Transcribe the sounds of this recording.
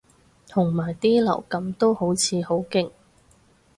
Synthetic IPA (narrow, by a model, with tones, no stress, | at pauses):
t̪ʰʊ˨˩ŋmaː˨˩jt̪iː˥lɐ̰˨˩wkɐ˨˥mt̪o˥who˨˥wt͡sʰiː˨˧ho˨˥wkɪ˥ŋ